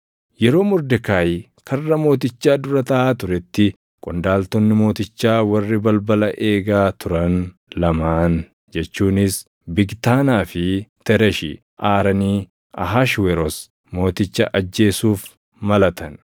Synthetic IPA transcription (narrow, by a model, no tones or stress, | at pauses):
jɛɾo̞ːmʊɾd̪ɛkaːj | kʰɐrːɐmo̞ːt̪ɪt͡ʃːaːd̪ʊɾɐt̪ɐaːt̪ʊɾɛt̪ːɪ | kʼʊnd̪aːlt̪ɔnːɪmo̞ːt̪ɪt͡ʃːaːwɐrːɪbɐlbɐlɐʔeːɡaːt̪ʊɾɐnlɐmaːn | d͡ʒɛt͡ʃːuːnɪs | bɪɡt̪aːnaːfɪt̪ɛɾɛʃḭ | ʔaːɾɐniː | ɐ̰ɦaʃwɛɾɔs | mo̞ːt̪ɪt͡ʃːɐʔɐd͡ʒːe̞ːsuːf | mɐlɐt̪ɐn